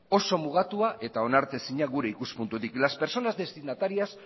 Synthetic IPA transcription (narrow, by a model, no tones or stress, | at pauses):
o̞so̞muɣ̞at̪uaʔe̞t̪ao̞naɾt̪e̞siɲaɣuɾe̞ikuspunt̪ut̪iklaspe̞ɾso̞nazd̪e̞st̪inat̪aɾias